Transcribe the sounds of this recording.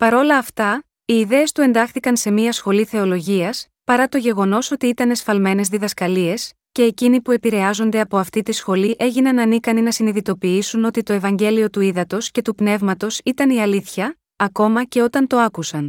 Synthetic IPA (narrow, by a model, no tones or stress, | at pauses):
pɐɾo̞lɐːft̪ɐ | iːðe̞ːst̪ue̞nd̪ɐxθikɐnse̞miɐsxo̞liθe̞o̞lo̞ʝiɐs | pɐɾɐt̪o̞ʝe̞ɣo̞no̞so̞t̪iit̪ɐne̞sfɐlme̞ne̞zðiðɐskɐlie̞s | ce̞ːcinipue̞piɾe̞ɐzo̞nd̪e̞ɐpo̞ɐft̪it̪isxo̞liʔe̞ʝinɐnɐnikɐninɐsiniðit̪o̞piisuno̞t̪it̪o̞e̞vɐɲɟe̞lio̞t̪uiðɐt̪o̞sce̞t̪upne̞vmɐt̪o̞sit̪ɐniɐliθçɐː | ko̞mɐce̞o̞t̪ɐnt̪o̞ɐkusɐn